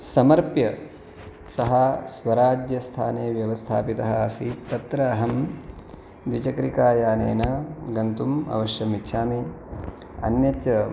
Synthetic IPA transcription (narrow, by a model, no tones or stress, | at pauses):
sɐmɐɾpjɐ | sɐɦɐsʋɐɾaːd͡ʒjɐst̪ʰa̰ːneːʋjɐʋɐst̪ʰa̰ːpit̪ɐɦɐɐsit̪ɐt̪ɾɐːɦɐm | d̪ʋit͡ʃɐkɾikaːjaːnḛːnɐɡɐnt̪umɐ̰ʋɐʃjɐmitːʃʰaːmi | ɐ̰njɐtt͡ʃɐ